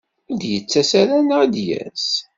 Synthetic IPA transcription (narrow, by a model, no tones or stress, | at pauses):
ʊd̪jət͡sːæsæɾænd̪jæ̰s